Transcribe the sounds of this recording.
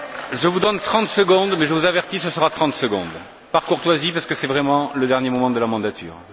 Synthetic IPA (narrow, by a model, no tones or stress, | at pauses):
ʒəvud̪ɔnt̪χɑ̃t̪səɡɔ̃d̪mɛʒəvuzavɛʁt̪isəsəʁat̪χɑ̃t̪səɡɔ̰̃d̪ | paʁkuʁt̪wazipaʁsə̥kəsɛvʁɛmɑ̃ləd̪ɛʁnjemɔmɑ̃d̪əlamɑ̃d̪at̪ʰy̰ːʁ